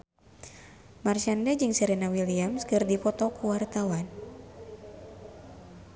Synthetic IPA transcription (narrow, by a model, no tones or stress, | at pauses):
marʃandad͡ʒɨŋsɛɾɛnawiliamskɨrdipɔt̪ɔkuwart̪awan